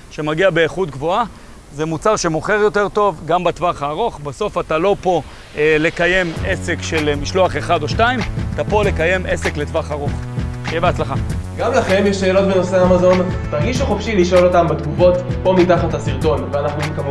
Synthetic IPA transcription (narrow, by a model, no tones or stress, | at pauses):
ʃe̞maɡiabe̞ːχut̚ɡvo̞a | zemut͡saʁʃe̞mo̞χe̞ʁjo̞te̞ʁt̪o̞vɡambat̪vaχaːʁo̞χbaso̞fat̪alo̞po̞ | ele̞kaje̞me̞sekʃelmiʃlo̞aχe̞χad̪o̞ʃtaimat̪apo̞le̞kaje̞mʔesekletvaχaʁo̞χ | jeveat͡slaχaɡamlaχe̞mjeʃːe̞ːlo̞t̪̚beno̞seaamazo̞ntaʁɡiʃuχofʃiliʃo̞lo̞t̪ambet̪ɡuvo̞tpo̞mitaχathasiʁto̞nveanaχnumekam